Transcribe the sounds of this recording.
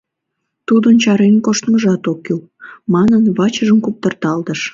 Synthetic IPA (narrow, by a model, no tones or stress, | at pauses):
t̪ud̪ənt͡ɕɑɾenkoʃt̪məʒɑt̪okːyl | mɑnənβɑt͡ɕəʒəmkup̚t̪ərt̪ɑlt̪əʃ